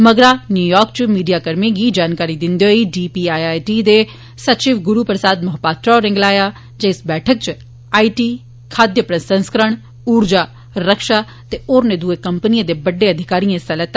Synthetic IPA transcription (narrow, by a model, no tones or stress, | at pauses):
məɡɾaːnjuːjɔːɾk̚t͡ʃmiːɖijaːkəɾmẽɡid͡ʒaːnkaːɾid̪ɪ̃nd̪eɦoiɖiːpiaːaːjʈid̪e | sɐt͡ʃɪːʋɡʊɾupɾəsaːd̪mɐɦpaːt̪ɾaɾɪ̃ŋɡlaːja | d͡ʒeɪsbɛːʈʰək̚t͡ʃ | aːiʈiː | kʰaːd̪jəpɾəsə̃nskəɾəɳ̃ | uːɾd͡ʒaː | ɾəkʃa | t̪eoːɾned̪uekɐmpnijẽd̪ebɐɖːeɐd̪ʱɪkaːɾijẽsɐlət̪